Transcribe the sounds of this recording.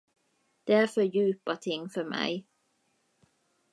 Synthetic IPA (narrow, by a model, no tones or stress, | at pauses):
d̪̥eːæːfɔjʉːpɑt̪ʰɪŋfɔmʔæ̰ɪ